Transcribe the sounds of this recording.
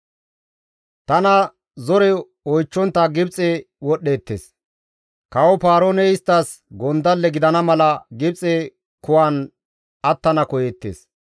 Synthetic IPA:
t̪ɐnɐ | zɔɾɛ | ɔjt͡ʃːɔnt̪ːɐɡɪbt͡sʼɛ | wɔɗːeːt̪ːḛːs | kɐwɔpaːɾoːnɛɪst̪ːɐs | ɡɔnd̪ɐlːɛɡɪd̪ɐnɐmɐlɐɡɪbt͡sʼɛ | kʊwaːn | ɐt̪ːɐnɐkɔjeːt̪ːḛːs

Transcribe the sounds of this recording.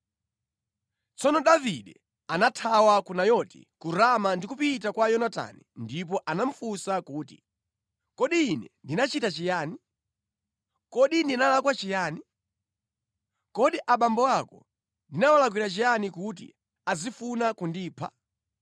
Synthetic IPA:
t͡sɔnɔɗaviɗɛ | anatʰawakunajɔtḭkuɾamandikupit̬akwajɔnata̰nindip̬ɔʔanam̩fusakuːti | kɔɗiːnɛndinat͡ʃitat͡ʃijaːni | kɔɗindinalakwat͡ʃijaːni | kɔɗiʔaɓambɔwakɔ̰ | ndinawalak̬wiɾat͡ʃijanikut̬ḭ | azifunakundiːpʰa̰

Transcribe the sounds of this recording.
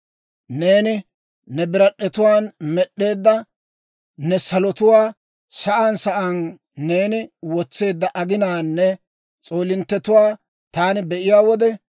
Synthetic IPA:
neːnɪ | nɛbɪɾɐɗːɛt̪ʊwaːnmɛɗːe̞ːd̪ːɐ | nɛsɐlɔt̪ʊwaː | sɐʔansɐʔɐnː | e̞ːnɪwɔt͡sːe̞ːd̪ːɐʔɐɡɪnaːnːɛ | t͡sʼo̞ːlɪnt̪ːɛt̪ʊwaː | t̪aːnɪbɛʔɪjaːwɔd̪ɛ

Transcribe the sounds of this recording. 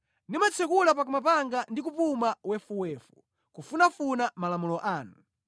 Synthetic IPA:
nimat͡sʰɛkulap̬ak̬umapaŋɡandik̬upumawɛfuwɛfu | kufunafunamalamulɔʔaːnu

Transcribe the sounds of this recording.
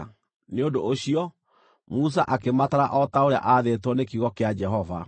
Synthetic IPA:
neondooɕiɔ | mus̬aʔakemataɾa̰ʔɔtaoɾea̰ʔaðetwɔnekiɣɔkead͡ʒɛɦɔva

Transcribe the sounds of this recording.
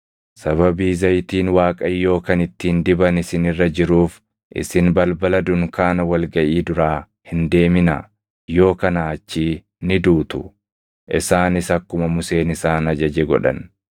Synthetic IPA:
sɐβɐbiːzɐjt̪iːnwaːkʼɐjo̞ːkɐnɪt̪ːiːnd̪ɪbɐnɪsɪnɪrːɐd͡ʒɪɾuːf | ʔɪ̰sɪnbɐlbɐlɐd̪ʊŋkaːnɐwɐlɡɐʔiːd̪ʊɾaː | hɪnd̪e̞ːmɪna̰ | jo̞ːkɐnaːt͡ʃːiː | nɪd̪uːt̪ʊ | ʔɪsaːnɪsɐkːʊmɐmʊse̞ːnɪsaːnɐd͡ʒɐd͡ʒɛɡɔ̰ᶑɐ̰n

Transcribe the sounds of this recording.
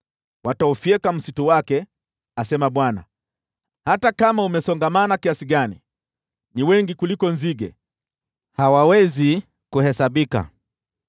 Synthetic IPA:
wataufiɛkam̩situwakɛ | asɛmaɓwana̰ | hatakamaumɛsɔŋɡamanakiasiɠanḭ | niwɛŋɡikulikɔnziɡɛ̰ | hawawɛzi | kuhɛsaɓika̰

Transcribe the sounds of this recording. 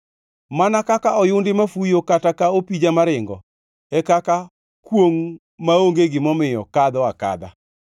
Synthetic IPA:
manakakaɔjʊndɪmafujokatakaopid͡ʒamaɾɪŋɡɔ̰ | ɛkaka | kwoŋ | maoŋɡeɡɪmɔmɪjɔ̰kad̪ɔaka̰d̪a̰

